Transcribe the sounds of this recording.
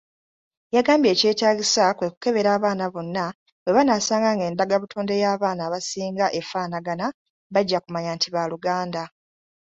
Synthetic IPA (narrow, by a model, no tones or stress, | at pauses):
jaɡaːmbje̞ːce̞ːtaːɡisakwe̞ku̥ke̞βe̞ɾaːβaːnaβo̞nːa | we̞βanaːsaːŋɡaŋɡe̞ːndaɡaβutʰo̞ːnde̞jaːβaːnaːβasiːŋɡaʔe̞faːnaɡana | βaɟːakumaɲaːntiβaluɡaːnda